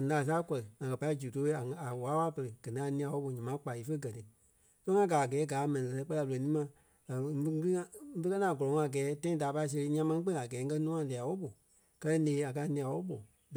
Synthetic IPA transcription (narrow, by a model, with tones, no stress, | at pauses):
a˨naː˨s̬aː˦kɔ˨lɨ˨ŋã˨kɜ˨pa˧˦i˦d͡ʒu˨to˧˦e˦a˨a˨waː˨˦wa˦pə˧ɾɨ˨ɡ̥ɜ̃˨nĩ˧˦a˨nĩ˧ã˧˨wɔ˦ɓo˨ɲã˨mã˨˦k͡pa˨i˨˦fə˦˧ɡɜ˨tɨ˨ | so˦ŋã˦ɡaː˨a˨ɡɛː˨˦ɡaː˨˦mɛ̃˨nĩ˨ɛ˧ɛ˧˦k͡pɜ˦a˧bo˧˨e˨nĩː˦mã˧˨˦ | kŋã˧˦fə˦kɜ˦nãː˨ɡɔ˨lɔ˨˦ŋɔ̃˧a˨ɡɛː˨˦tã˦ĩ˦daː˨pa˧i˦˧s̬e˧ɾi˧˦ɲĩ˦ã˧mã˧nĩ˦k͡pẽ˦˨a˨ɡɛː˨˦ŋ̩˦kɜ˦nũ˦ã˧˨li˨a˨wo˦ɓo˨ | kɜ˦˧ɛ˦neː˨˦a˨k̬a˧˦nĩ˧ã˧wɔ˦ɓo˨